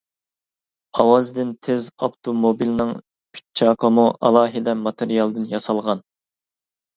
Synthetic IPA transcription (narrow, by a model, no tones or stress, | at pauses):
ɑwɑzd̪ɪnt̪ʰɪzɑft̪ʰomobilnɨŋ | pʰi̥t͡ʃʰːɑːqʰəmuʔɑ̰lˠɑːɦɪd̪ɛmɑt̪ʰeɾijɑlˠd̪ɨnjɑsɑlˠʁɑn